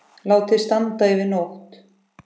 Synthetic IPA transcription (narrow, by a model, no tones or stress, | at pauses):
laːwt̪ʰɪ̥st̪ant̪aɪvɪðnoht̪